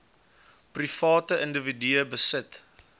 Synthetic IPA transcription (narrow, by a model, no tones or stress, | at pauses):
prifɑːtəʔəndəvidyəbəsət